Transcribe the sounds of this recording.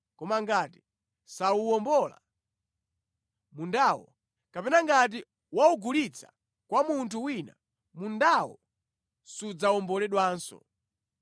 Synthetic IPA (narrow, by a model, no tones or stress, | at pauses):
kɔmaŋɡati̥ | sauwɔmbɔla̰ | mundaːwɔ̰ | kapɛnaŋɡat̬i | wauɡulit͡sʰḁ̰ | kwamuntʰuwina̰ | mundawɔ̰ | sud͡zawɔmbɔlɛɗwaːnsɔ̰